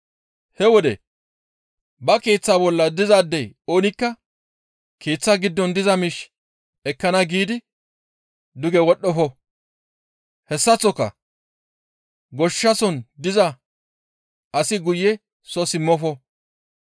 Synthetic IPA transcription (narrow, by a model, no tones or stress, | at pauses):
hɛwɔd̪ɛ̰ | bɐkeːt͡sːaːbɔlːɐd̪ɪzaːd̪ːɛjo̞ːnɪkːɐ | keːt͡sːaɡɪd̪ːɔnd̪ɪzɐmɪʃ | ɛkːɐnɐɡiːd̪ɪ | d̪ʊɡɛwɔɗːɔfɔ | hɛsːɐt͡sːɔkːɐ̰ | ɡɔʃːɐsɔnd̪ɪzɐ | ʔɐsɪɡʊjːɛ | sɔsɪmːɔfɔ